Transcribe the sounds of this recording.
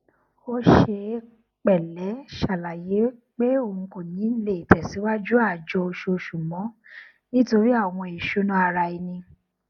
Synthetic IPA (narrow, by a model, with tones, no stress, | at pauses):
o˦ʃe˧ | k͡pɛ˨lɛ˨˦ʃa˨la˨je˨˦k͡pe˦o˦˨ũ˨˧ko˨nĩ˨˦n̩˦le˨tɛ˨si˨˦wa˦d͡ʒu˦a˦˨d͡ʒɔ˧o˧ʃo˧ʃu˨mɔ̃˨˦ | nĩ˦to˧ɾi˦a˦˨w̃ɔ̃˧e˨ʃo˨˦nã˦a˧ɾa˧i˧nĩ˧